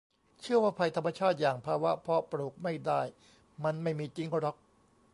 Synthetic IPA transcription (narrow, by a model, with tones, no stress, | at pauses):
t͡ɕʰɯ˥˩əwaː˥˩pʰa˧jt̪ʰa˧mːa˧t͡ɕʰaː˥˩t̪̚jaː˨˩ŋpʰaː˧wa˦˥pʰɔ˧˥pɾuː˨˩k̚ma˥˩jdaː˥˩j | ma˧nma˥˩jmiː˧t͡ɕi˦˥ŋɾɔ˦˥k̚